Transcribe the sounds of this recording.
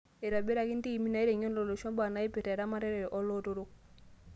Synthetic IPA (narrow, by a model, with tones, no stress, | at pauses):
e˨ɾa˨bɛ˦ɾa˨ki˦nti˦i˨mi˦na˨i˦ɾɛ˨ɲɔ˦n˦ɔ˨lo˨ʃɔ˦mba˨na˨˦i˦pɛ˨ta˨ɾa˦ma˦ɾɛ˦ɾɛ˨jʔɔ˦lo˦to˦ɾo˦